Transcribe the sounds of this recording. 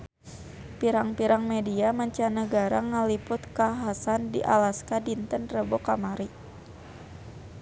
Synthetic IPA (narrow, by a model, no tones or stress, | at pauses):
piɾaŋpiɾaŋmediamaɲt͡ʃanəɡaɾaŋəlipʊt̪kaɦasandḭʔa̰laskadint̪ənrəbokamaɾi